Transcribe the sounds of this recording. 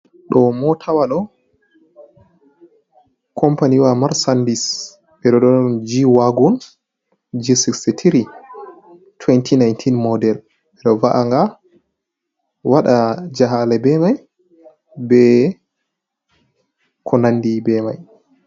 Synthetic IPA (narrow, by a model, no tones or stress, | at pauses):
ɗɔmɔtʰawaɗɔ | kʰɔmpaniwamaɾsandis | ɓɛɗɔɗɔɗɔnd͡ʒiwaɡɔn | d͡ʒisiksitʰiɾi | tʰwɛntʰinajntʰinmɔdɛl | ɛɗɔvaʔaŋɡa | waɗad͡ʒaɦalɛbɛmaj | bɛ | kʰɔnanːdibɛmaj